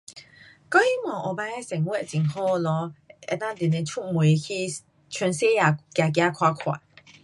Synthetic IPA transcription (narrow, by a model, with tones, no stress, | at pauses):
kɔ̃˦ŋ˦i˦mwã˨ʔɔ˨ba˧˦ɛ˦sɛ˨˩ŋwɛ˦˨t͡ɕĩ˨ŋɦo˥˦˨lɔ˧˦ɛ̰˧t̪ã˦d̪i˨nẽ˧˦t͡ɕʰu˦˨ʔmwe˨kʰi˦ | t͡ɕʰɛ˧˦nse˦ja˨kja˨k̬ja˧kʰwa˧kʰwa̰˨ʔ